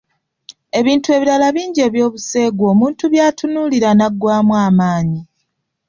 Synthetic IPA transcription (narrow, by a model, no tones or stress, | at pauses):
e̞βiːntue̞βiɾalaβiːɲɟe̞ːβjo̞ːβuse̞ːɡwo̞ːmuːntuβjaːtunuːliɾanaɡːwaːmwaːmaːɲi